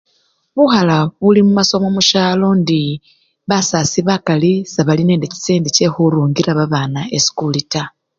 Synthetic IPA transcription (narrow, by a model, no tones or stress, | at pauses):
βuxalaβulimumaso̞momuʃaːlo̞ndi | βasasiβakalisaβaline̞ːndeci̥seːndice̞xuɾuːŋɡiɾaβaβaːnaesi̥kulita